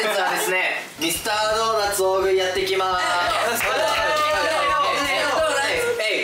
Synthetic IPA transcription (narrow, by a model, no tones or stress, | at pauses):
sɯad̪e̞sɨne̞ | ɾʲisɨ̥t̪aːnonat͡sɨoːɡɯ̟̃jat̪ːe̞kʲima | oeoonai